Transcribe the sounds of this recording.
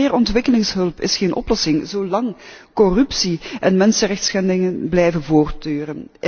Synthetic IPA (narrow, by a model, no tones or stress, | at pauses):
ɪːrɔntʋɪkəlɪŋsɦɵlˠpɪ̰sxeːnʔɔ̰plɔsɪŋzoːlɑŋkɔrɵpsiʔɛnmɛnsərɛxtsxɛndɪŋənblɛjvənvoːrtøːrən